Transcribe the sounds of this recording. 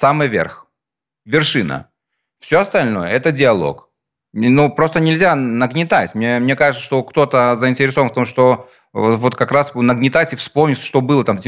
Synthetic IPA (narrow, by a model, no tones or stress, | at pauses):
samɨjvʲerx | vʲɪrʂɨnə̰ | fsʲoɐst̪ɐlʲno̞̰jəɛt̪ədʲɪɐlˠo̞̰k | nupɾo̞st̪ənʲɪlʲzʲanəɡnʲɪt̪atʲmnʲemnʲekaʐɨt̪səʂt̪o̞kt̪o̞t̪əzəɪnʲtʲɪɾʲɪso̞vənft̪omʂt̪o̞ | vo̞t̪kɐkɾasnəɡnʲɪt̪atʲɪfspo̞mnʲɪtʲʂt̪o̞bɨlˠət̪amdʲɪ